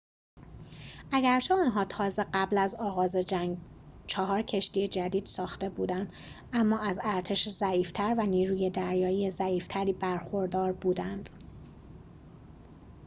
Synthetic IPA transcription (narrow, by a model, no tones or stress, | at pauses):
ʔæɟæɾt͡ʃʰe̞ɒːnɦɒːt̪ʰɒːze̞ɢæblæzɒːɣɒːze | t͡ʃʰɒɦɒːɾcʰe̞ʃt̪ije̞d͡ʒæd̪iːd̪̥sɒːxt̪e̞buːd̪ænd̪ | ʔæmːɒːæzæɾt̪ʰe̞ʃzæiːft̪ʰæɾvæniːɾuːje̞d̪æɾjɒːjiːjezæiːft̪ʰæɾiːbæɾxo̞ɾd̪ɒːɾbuːd̪ænd̪̥